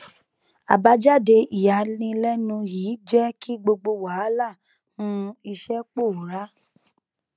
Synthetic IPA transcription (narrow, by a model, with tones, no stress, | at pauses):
a̰˨ba˧˦d͡ʒa˦de˧ʔi˨ja˨lĩ˧lɛ˦nũ˧jiː˨˦d͡ʒɛ˦ki˦ɡ͡bo˧ɡ͡bo˧wa˨˦la˦˨ | nũ˦i˧ʃɛ˦k͡po˦˨ɾa˨˦